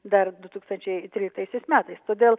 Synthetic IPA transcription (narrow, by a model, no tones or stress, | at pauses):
d̪ɐɾd̪ʊt̪uːkst̪ɐnʲt͡ʃʲɛɪt̪ʲɾʲiːlʲɪk̚t̪ɐɪsʲɛɪsmʲæːt̪ɐɪst̪oːd̪ʲeːlˠ